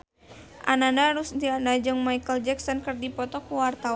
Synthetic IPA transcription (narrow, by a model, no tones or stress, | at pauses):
ʔa̰nandaɦaɾusdiandad͡ʒɨŋmajkəld͡ʒɛksɔnkərdipɔt̪ɔkuwart̪awa